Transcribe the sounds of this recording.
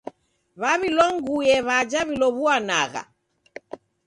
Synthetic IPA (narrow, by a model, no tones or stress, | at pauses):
βaβilɔŋɡujɛβad͡ʒaβilɔβuana̰ɣa̰